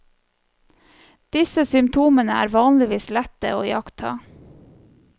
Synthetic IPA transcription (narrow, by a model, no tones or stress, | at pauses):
d̪̥ɪsəsʏmt̪ʰuːmənəæ̰ːɾʋɑːnlɪʋiːslɛt̪ə̰o̰ːjɑkt̪ʰɑ̰ː